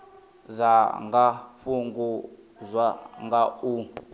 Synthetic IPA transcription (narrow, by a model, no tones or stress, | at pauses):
zʷaŋɡaɸuŋɡu | zʷwaŋɡau